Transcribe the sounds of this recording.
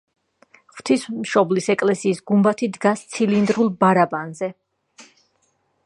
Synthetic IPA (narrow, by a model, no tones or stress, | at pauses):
χv̥t̪ʰismʃɔblisɛkʼlɛsiːsɡumbat̪ʰid̪ɡast̪sʰilind̪ɾulˠbaɾabanzɛ